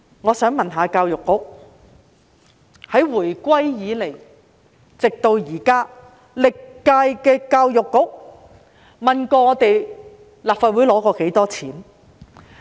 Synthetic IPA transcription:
ŋɔː˨˧sœː˨˥ŋmɐ˨nɦaː˨˧kaː˧wjʊ˨˩kːʊ˥k̚ | hɐ˨˥jwuː˨˩jkʷɐ˥jjiː˨˧le˨˩j | t͡sɪ˨k̚t̪o˧wjiː˨˩kaː˥ | lɪ˨kːaː˧jkɛː˧kaː˧wjʊ˨kːʊ˥k̚ | mɐ˨nkɔː˧ŋɔː˨˧t̪e˨j | laː˨p̚faː˨t̚wuː˨˥jlɔː˨˥kɔː˧ke˨˥jt̪ɔː˥t͡sʰiː˨˥n

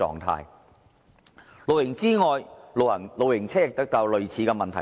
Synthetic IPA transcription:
ɔ̰ː˨ŋt̪ʰa̰ː˧j | lo˨˧wjɪ˨˩ŋt͡siː˥ŋɔː˨jɐ˨˩lo˨˧wjɪ˨˩ŋt͡sʰɛː˥ɪ˨k̚t̪ɐ˥k̚t̪ɐ˨˧wlɵ˨ɥt͡sʰiː˨˧kɛː˧mɐ˨nt̪ʰɐ˨˩

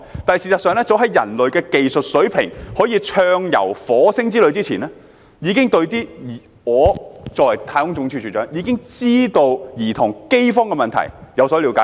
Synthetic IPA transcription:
t̪aː˨n˨˩siː˨˩sɐ˨t̚sœː˨˧ŋlɛː˥t͡so˨˥wɦɐ˨˥jjɐ̰˨˩nlɵ˨ɥkɛː˧ke˨jsɵ˨t̚sɵ˨˥ɥpʰɪ̰˨˩ŋhɔː˨˥jiː˧t͡ʃʰœː˧ŋjɐ̰˨˩wfɔː˨˥sɪ˥ŋt͡siː˥lɵ˨˧ɥt͡siː˥t͡sʰiː˨˩nɛː˥ | jiː˨˧kɪ˥ŋt̪ɵ˧ɥt̪iː˥˨˩ | ŋɔː˨˧t͡sɔː˨˩jt̪ʰaː˧jkʊ˥ŋt͡sʊ˧˥ŋt͡ʃʰyː˧˩y˨˩t͡ʃœː˨˧˥ŋjiː˨˧kɪ˥ŋt͡siː˥t̪o˧wjiː˨˩t̪ʰʊ˨˩ŋke˥jfɔː˥ŋkɛː˧mɐ˨nt̪ʰɐ̰˨˩jjɐ˨˧wsɔː˨˥˨li˨˧wkaː˨˦

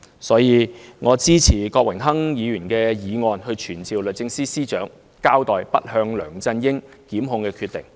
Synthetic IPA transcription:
sɔː˨˥jiː˧ŋɔː˨˧t͡siː˥t͡sʰiː˨˩kɔː˧k̚wɪ˨˩ŋɦɐ˥ŋjiː˨˧jyː˨˩nkɛː˧jiː˨˧ŋɔː˧nhɵ˧ɥt͡ʃʰyː˨˩nt͡siː˨wlɵ˨˩t͡sɪ˧ŋsiː˥siː˥t͡ʃœː˨˥ŋ | kaː˥wt̪ɔː˨jpɐ˥t̚hœː˧ŋlœː˨˩ŋt͡sɐ˧njɪ˥ŋ | kiː˨˥mɦʊ˧ŋkɛː˧kʰy˧t̪ɪ̰˨˩ŋ

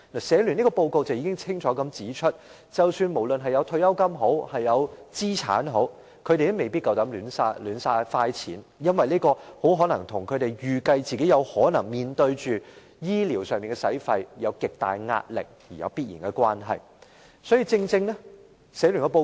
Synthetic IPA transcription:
naː˨˩sɛː˨˥lyː˨˩ni˥kɔː˧po˧wko˧wt͡sɐ˨wjiː˧˥kɪ˥ŋt͡sʰɪ˥ŋt͡ʃʰɔː˨˥kɐ˨˧mt͡siː˨˥t͡ʃʰɵ˥t̚ | t͡sɐ˨wsyː˧nmo˨˩wlɵ˨nɦɐ˨jɐ˨˧wt̪ʰɵ˧ɥjɐ˥wkɐ˥mɦo˨˥whɐ˨jːɐ˨˧wt͡siː˥t͡sʰa̰ː˨˥nɦo˨˥w | kʰɵ˨˧ɥɾe˨jt̪ɛ˥me˨jpi˥kɐ˨wt̪ɐ˨˥mlyː˨˥nsaː˧lyː˨˥nsaː˧faː˧jt͡sʰḭː˨˥n | jɐ˥nwɐ˨jniː˥kɔː˧ho˨˥wɦɔː˨˥nɐ˨˩ŋt̪ʰʊ˨˩ŋkʰɵ˨˧ɥt̪e˨jjyː˨˩kɐ˧jt͡siː˨ke˨˥jɐ˨˧whɔː˨˥nɐ˨˩ŋmiː˨nt̪ɵ˧ɥt͡ʃyː˨ | jiː˥li˨˩wsœː˨˩ŋmiː˨˩ŋkɛ˧sɐ˨˥jfɐ˧jjɐ˨˧wkɪ˨k̚t̪a̰ː˨jŋa̰ː˧t̚lɪ̰˨k̚jiː˨˩jɐ̰˨˧wpiː˥t̚jiː˨˩nkɛ˧kwaː˥nɦɐ̰˨j | sɔː˨˥jiː˧t͡sɪ˧ŋt͡sɪ˧ŋnɛ˥ | sɛː˨˥ly˨˩nkɛ˧po˧

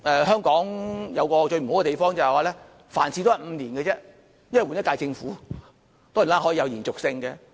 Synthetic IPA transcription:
ʔɛː˨ɦœː˥ŋkɔː˨˥ŋjɐ˨˧wkɔː˧t͡ʃɵ˧ɥm̩˨˩o˨˥wkɛ˨t̪e˨jfɔː˥ŋt͡sɐ˨˩hɛ˨jwaː˨˧lɛː˥ | faː˨˩nsiː˧t̪o˥jɐ˨m̩˨˧niː˨˩nkɛ˧t͡sɛː˥ | jɐ˥nwɐ˨jwu˨njɐ˥t̚kaː˧jt͡sɪ˧ŋfuː˨˥ | t̪ɔː˥˨˩laː˦˥ɦɔ˨˥jːjɐ˧wjiː˨˩nt͡sʊ˨k̚sɪ˧ŋkɛ˧

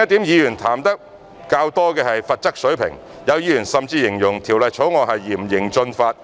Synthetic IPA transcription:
ɐ˥t̪̚iː˨˥mjiː˨˧jyː˨˩nt̪ʰaː˨˩mt̪ɐ˥k̚ | kaː˧wt̪ɔː˥kɛː˧hɐ˨jfɐ˧t̚t͡sɐ˥k̚sɵ˨˥ɥpʰɪ̰˨˩ŋ | jɐ˨˧wjiː˨˧jy˨˩nsɐ˨mt͡siː˧jɪ˨˩ŋjʊ˨˩ŋt̪ʰiː˨˩wlɐ˨jt͡ʃʰo˨˥wŋɔː˨˧hɐ˨jːiː˨˩m̩˨˩jɪ˨˩ŋt͡ʃɵ˧nfaː˧t̚

